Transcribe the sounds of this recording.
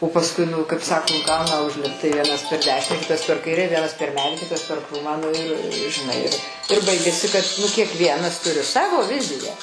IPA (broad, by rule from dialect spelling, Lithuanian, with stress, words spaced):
oː pɐsˈkʊɪ ˈnʊ kɐɪp ˈsɑːkoː ˈɡɐʊnɐ ʊʒʲˈlʲɪpt tɐɪ ˈʋʲiɛnɐs pʲɛr ˈdʲæːʃʲɪnʲæː ˈkʲɪtɐs pʲɛr ˈkɐɪrʲɛ ˈʋʲiɛnɐs pʲɛr ˈmʲæːdʲiː ˈkʲɪtɐs pʲɛr ˈkruːmɑː ˈnʊ ɪr ʒʲɪˈnɐɪ ɪr ɪr ˈbɐɪɡʲɛsʲɪ kɐt nʊ kʲiɛkˈʋʲiɛnɐs ˈtʊrʲɪ ˈsɑːʋoː ˈʋʲɪzʲɪjæː